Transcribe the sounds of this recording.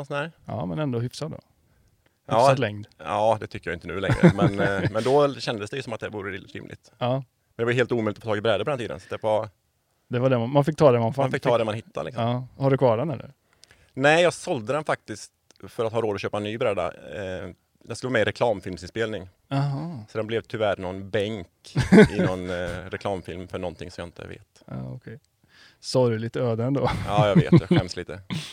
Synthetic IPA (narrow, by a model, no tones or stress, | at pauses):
sɔnhæːɾɑ̰ːmɛnɛnd̪oɦʏfsat̪d̪ɔ̰ | ʔɑːsat̪lɛŋd̪ɑːd̪ɛt̪ʰʏkːəjajɪnt̪ənʉ̟ːlɛ̰ŋɾəmɛnmɛnd̪ɔɕɛnd̪əsd̪ɛjəsɔmat̪̚d̪ɛvuːɾəɾɪ̰ːmlʔɪ̰t̪ɑː | mɛnɛvbljəheːlt̪uːmœʏlɪt̪ɔfɔt̪ʰɑːɡɪbɾɛːd̪əpɔd̪ɛniːd̪ə̰nsḁt̪d̪ɛva | d̪ɛvaɖɛmamanfɪk̚t̪ʰɑːd̪ɛmanfafɪk̚ːt̪ʰɑːd̪ɛmanhɪt̪ʰːa̰lɪksɔɑːhaɖɵkʰvɑːɖɛnɛlːə̰ɾ | nɛjɑːɡsɔld̪əd̪ɛnfak̚t̪ɪskt̪ | fœɾat̪hɑːɾoːd̪ɔɕøːpaɛnːyːbɾɛd̪ːa̰ | d̪ɛnskɵləʋmɛɾɛkʰlɑːmfɪlmsɪnspeːlnɪŋ | aɦɑsɔd̪ɛnblɛvt̪ʰʏvæɾnɔnbɛŋkɪnɔnɾɛkʰlɑːmfɪlmfœɳɔnt̪ʰɪŋsɔmjaɪnt̪ʰə̰vḛːt̪ɑ̰ɔkʰɛj | sɔɾɵliːt̪əøːd̪əɛnd̪oːɑːjɑɡvḛːt̪d̪ɛɧɛmsliːt̪ə